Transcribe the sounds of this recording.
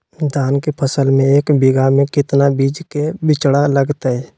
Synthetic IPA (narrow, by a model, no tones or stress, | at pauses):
d̪ʱaːnkepʰəsəlmẽeːkbɪɡamẽkɪt̪nabiːd͡ʒkebɪt͡ʃɽaləɡt̪aɦɛː